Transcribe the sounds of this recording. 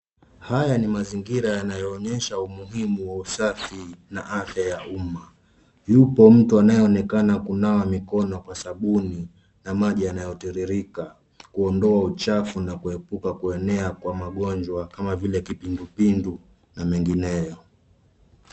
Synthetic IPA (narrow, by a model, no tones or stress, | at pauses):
hajanimaziŋɡiɾajanajɔːɲɛʃaumuɦimuwausafinaʔafjajauma | jupɔm̩tuanajɔːnɛkanakunawamikɔnɔkwasaɓuni | namaʄianajɔtiɾiɾika | kuɔndɔaut͡ʃafunakuhɛpukakuɛnɛakwamaɠɔnd͡ʒwakamavilɛkipindupindu | namɛŋɡinɛjɔ